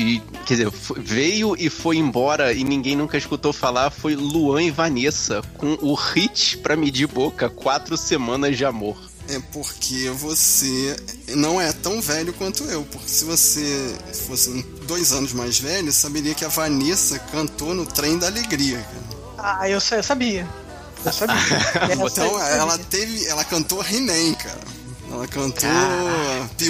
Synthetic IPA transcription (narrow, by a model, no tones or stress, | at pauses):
ɪ | kɛdɪzefovejʊʔɪfojẽbɔɾɐɪnĩŋɡẽj̃nũkɐɪiskut̪owfalafojluɐ̃ɪvanesɐkõʊʁit͡ʃɪ̥pɾɐmɪd͡ʒibokɐkwat̪ɾʊsemɐ̃nɐzd͡ʒɪamoχ | ɛpoɾkʰevosenɐ̃w̃ɛt̪ɐ̃w̃vɛʎʊkwɐ̃nt̪ʊewpʊχke̥sɪvosefosɪ̃ | d̪ojzɐ̃nʊzmajzvɛʎʊsabeɾiɐkɪɐvɐnesɐkɐ̃nt̪onʊt̪ɾẽj̃d̪ɐaleɡɾiɐka̰ɾɐ | aewsewsabiɐ | ewsabĩ | t̪ɐ̃w̃ɛlɐt̪evɪɛlɐkɐ̃nt̪oɦinẽj̃kʰa̰ɾɐ̰ | ɛ̰lɐkɐ̃nt̪o